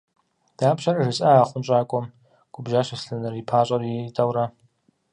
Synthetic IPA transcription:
d̥aːpɕɐrɐʐɨt͡sʼaaːχʷʊnt͡ʃʼaːkʷʼɔm | ɡ̥ʷʼʊbʒaːɕɐsɬɨnɨripʰaːɕʼɐritʼawra

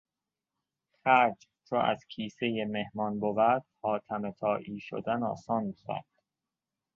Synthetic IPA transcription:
xæɾd͡ʒ | t͡ʃʰoʔæ̰z̥cʰiːse̞jeme̞hmɒːnbovæɾd̪̥̚hɒːt̪ʰæmet̪ʰɒːʔiːʃo̰d̪ænɒ̰ːsɒːnsæ̰ɾd̪̥

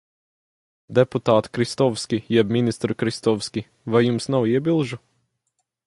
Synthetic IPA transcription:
d̪ɛput̪aːt̪kɾist̪ɔfskʲijɛbmʲinʲist̪ɾkɾist̪ɔwskʲi | vajjumsnawiɛbʲilˠʒu

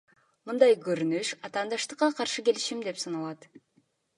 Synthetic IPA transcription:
mɯnd̪ɑjkøɾynyʃɑt̪ɑːnd̪ɑʃt̪ɯqːɑqʰɑɾʃɯke̞liʃimd̪e̞psɑnɑlˠɑt̪

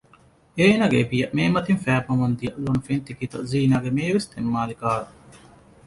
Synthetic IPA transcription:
eːnɐɡḛbijɐʔmeːmɐt̪infæːpɐŋɐnd̪ijɐʔlonfent̪ikit̪ɐziːnaːɡemeːʋest̪emːaːlikaːɾu

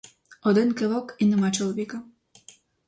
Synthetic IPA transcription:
ɔd̪ɪnkɪlˠɔkinɪmat͡ʃɔlˠɔʋʲikɐ

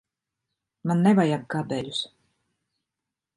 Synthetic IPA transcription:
manːɛvajamkabɛlʲus

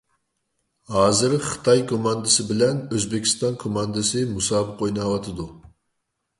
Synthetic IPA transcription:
hɑːzɨɾχə̥t̪ʰɑjkʰomɑnd̪ɨsɨbɪlɛnøzbɪkʲʰi̥st̪ɑnkʰomɑnd̪ɨsɨmusɑːbɨqʰojnɑwɑt̪ʰɨd̪u

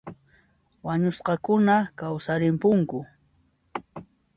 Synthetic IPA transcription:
waɲʊsqɑkʊnakawsaɾɪmpʊŋkʊ

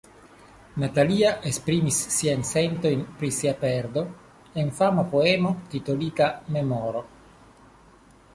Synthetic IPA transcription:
nat̪aliaʔespɾimisːiajnse̞nt̪o̞jnpɾisiapeɾd̪o̞ | e̞nfamapo̞emot̪it̪olit̪ame̞moɾo

